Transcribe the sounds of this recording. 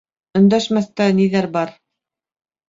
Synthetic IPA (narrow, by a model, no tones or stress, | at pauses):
ɵ̆nd̪æʃmæθt̪æniðæɾbɑɾ